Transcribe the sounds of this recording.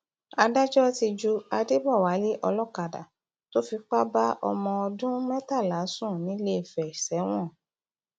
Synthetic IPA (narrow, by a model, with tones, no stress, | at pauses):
a˧da˦d͡ʒɔ˦ti˧d͡ʒu˧a˧de˦bɔ˦˨wa˨˦li˦ʔɔ˧lɔ˦ka˨da̰˨ | to˦fi˧k͡pa˦ba˦ʔɔ̰˧mɔ̃˧ɔ˧dũ˦mɛ˦ta˦˨la˨˦sũ˦˨nĩ˨˦le˦i˦˨fɛ˨i˨sɛ˨˦w̃ɔ̃˦˨